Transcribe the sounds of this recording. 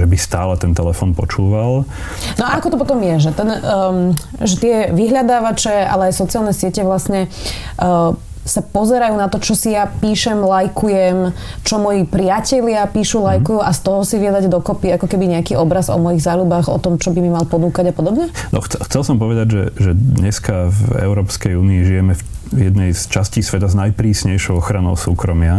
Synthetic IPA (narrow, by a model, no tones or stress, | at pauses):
ʒɛbist̪a̰ːlɛt̪ɛnt̪ɛlɛfɔːnpɔ̰t͡ʃuːʋal | nɔaakɔt̪ɔp̬ɔt̪ɔmjɛʒɛt̪ɛnː | ʒɛt̪ɪɛʋiɦʎad̪aːʋat͡ʃɛa̰lɛajsɔt͡sialnɛsɪɛcɛʋlasɲɛ | sapɔzɛɾajuːnat̪ɔt͡ʃɔsijapiːʃɛmlajkujɛmt͡ʃɔmɔjipɾɪacɛʎɪapiːʃulajkujuːʔast̪ɔɦɔsiʋiɛd̪aɟd̪ɔkɔpiakɔkɛbiɲɛakiːɔbɾazɔ̰mɔjiɣzaːlubaɣɔ̰t̪ɔmt͡ʃɔbimimalpɔnuːkaɟapɔd̪ɔbɲɛnɔ̰xt͡sɛxt͡sɛlsɔmpɔʋɛd̪aɟʒɛʒɛd̪ɲɛskavɛ̰ʊɾɔːpskɛjuːniːʒijɛmɛfjɛd̪nɛjst͡ʃascisʋɛt̪aznajpɾiːsɲɛjʃɔʊɔxɾanɔʊsuːkɾɔmɪa